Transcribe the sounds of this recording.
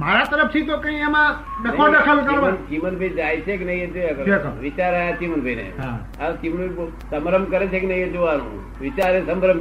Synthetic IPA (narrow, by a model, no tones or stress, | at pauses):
maɾat̪əɾəp̚ʰt̪ʰit̪okə̃ĩɛmãɖəkadəkʰəlkəɾənkimənbʱəid͡ʒajt͡ʃʰekenəĩed͡ʒoeəɡəɾekʰʋɪt͡ʃaɾajat͡ʃimənbʱəinḛɦ | akimənbi | səmɾəmkəɾet͡ʃʰeknəĩed͡ʒoʋanṵ̃ | ʋɪt͡ʃaɾesəmɾəm